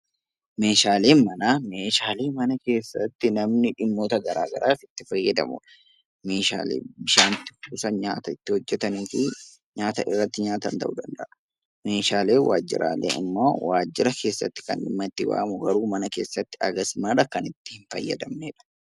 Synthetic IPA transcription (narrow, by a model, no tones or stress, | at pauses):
me̞ːʃaːle̞ːnmɐnaːme̞ːʃaːle̞ːmɐnɐke̞ːsːɐt̪ːɪnɐmnɪᶑɪmːo̞ːt̪ɐɡɐɾaːɡɐ̰ɾʔaːsɪt̪ːɪfɐjːɐd̪ɐ̰mʊ̰ᶑɐ | me̞ːʃa̰ːlḛːbɪʃaːnt̪ɪ̥fuːsɐɲaːt̪ɐɪt̪ːɪhɔd͡ʒːɛt̪ɐniːfi | ɲaːt̪ɐʔɪrːɐt̪ːɪɲaːt̪ɐ̰nt̪ɐ̰ʔud̪ɐnd̪ɐʔɐ | me̞ːʃaːle̞ːwʔa̰ːd͡ʒːɪ̰ɾʔa̰ːlḛːɪ̰mːo̰ːwaːd͡ʒːɪɾɐkʰe̞ːsːɐ̰t̪ːɪ̥kɐ̰nᶑɪmːɐt̪ːɪwa̰ːmʊɡɐɾuːmɐnɐke̞ːsːɐt̪ːɪɐɡɐsmɐᶑɐkɐnɪt̪ːɪ̥hɪnfɐ̰jːɐ̰d̪ɐmneːᶑɐ̥